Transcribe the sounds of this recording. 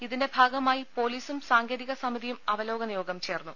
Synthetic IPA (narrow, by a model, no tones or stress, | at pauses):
iðinde̞bʱaːɡɐmaːjipo̞ːliːsumsaːŋɡeːɾiɣɐsɐmiðijumɐʋɐlo̞ːɡɐnjoːɡɐmt͡ɕe̞ːrnːu